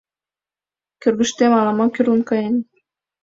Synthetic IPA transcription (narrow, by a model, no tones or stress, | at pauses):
kørɣə̆ʃt̪emɑlɑmɑkyɾunkɑjen